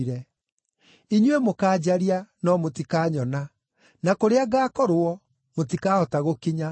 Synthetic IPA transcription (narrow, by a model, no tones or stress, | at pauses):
ɾɛ | iɲwemokaːd͡ʑaɾianɔmotikaːɲɔna | nakoɾeaɣaːkɔɾoɔ | motikaːɔtaɣokiɲa